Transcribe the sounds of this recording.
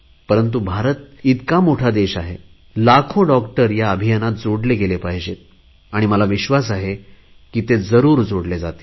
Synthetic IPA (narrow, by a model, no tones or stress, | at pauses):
pəɾənt̪̬ubʱaɾət̪̚it̪kamoʈʰad̪eɕaɦe | lakʰoɖɔkʈəɾjaəbʱijənat̪̚d͡zoɽleɡelepaɦid͡ʑe | aɽ̃iməlaʋiɕʋas̬aɦe | kiːt̪ed͡zəɾuːɾd͡zoɽled͡zat̪e̥